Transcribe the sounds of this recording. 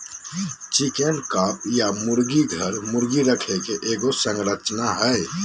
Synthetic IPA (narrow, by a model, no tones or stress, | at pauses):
t͡ʃikenɖkapjamuɾɡiɡʱəɾmuɾɡiɾəkʰɛkeʔeɡosəŋɡɾət͡ʃnaɦəj